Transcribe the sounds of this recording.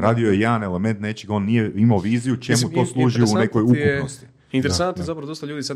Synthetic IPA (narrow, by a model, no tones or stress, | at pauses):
ɾaːd̪iojejed̪aneleme̞nt̪ne̞t͡ʃiɡo̞ːnːijeimaoʋiːzijut͡ʃemut̪o̞ːslˠuːʒiunne̞kojukupnost̪i̥ | int̪eɾesanjezapɾɐʋod̪ost̪aʎuːd̪isa